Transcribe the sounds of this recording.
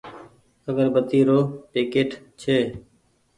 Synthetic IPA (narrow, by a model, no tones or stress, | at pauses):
əɡəɾbət̪iːɾoːʈɪːkeːʈ | t͡ʃʰeː